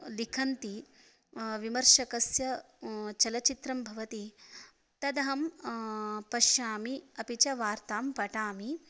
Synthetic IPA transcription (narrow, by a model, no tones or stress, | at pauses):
likʰɐnt̪i | ʋimɐɾʃɐkɐsjɐ | t͡ʃɐlɐt͡ʃit̪ɾɐmbʱɐʋɐt̪i | t̪ɐd̪ɐɦɐm | pɐʃjaːmiɐpit͡ʃɐʋaːɾt̪aːmpɐʈaːmi